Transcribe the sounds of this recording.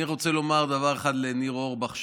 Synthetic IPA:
iʁo̞t͡selo̞maʁd̪avaʁeχad̪leniʁo̞ʁbaχʃ

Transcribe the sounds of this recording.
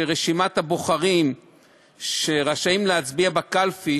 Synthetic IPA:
eʁeʃimat̪haboχaʁim | ʃeʁaʃaimleat͡sbiabakalfi

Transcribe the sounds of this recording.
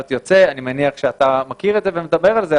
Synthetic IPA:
t̪jot͡seanimeniaχʃeat̪amakiʁed̪zevemed̪abe̞ʁalze

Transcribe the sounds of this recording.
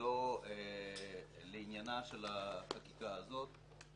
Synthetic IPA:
oe | leinjanaʃe̞laχakikaːzo̞t̪̚

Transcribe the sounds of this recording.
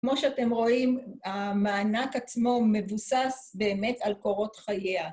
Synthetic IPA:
kmo̞ʃeate̞mʁo̞imamaːnakat͡smo̞me̞vusasbe̞ːme̞talko̞ʁo̞tχajea

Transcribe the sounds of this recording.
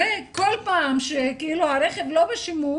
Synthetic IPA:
ekolpaːmʃekeiluhaɾeχevlo̞beʃimu

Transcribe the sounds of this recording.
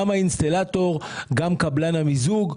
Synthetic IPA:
amainst̪alat̪o̞ʁɡamkablanamizuɡ

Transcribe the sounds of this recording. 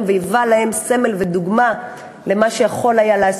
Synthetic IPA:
mvejivalahe̞mse̞me̞lve̞d̪uɡma | le̞maʃejaχo̞lajaleas

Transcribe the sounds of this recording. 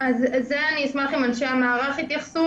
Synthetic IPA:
azzeaniismalχimanʃeamaːʁaχhit̪jaχsu

